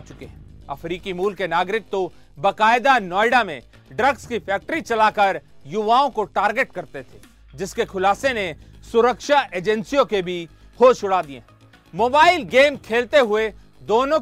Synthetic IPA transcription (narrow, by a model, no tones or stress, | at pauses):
t͡ʃʊkeɦɛ̃ɐfɾiːkimuːlkenaːɡɾɪk̚t̪o | bɐkaːɪd̪anɔːɪɖamḛ̃ | ɖɾəɡskifʰɛːk̚ʈɾit͡ʃɐlaːkɐɾjʊʋaːõkoʈaːɾɡeʈkɐɾt̪et̪ʰeː | d͡ʒɪskekʰʊlaːsenesʊɾəkʃaʔeːd͡ʒɛ̃nsijõkebʱi | hoːʃʊɽaːd̪iḛ̃ | moːbaːɪlɡeːmkʰeːlt̪eɦʊe | d̪oːnõ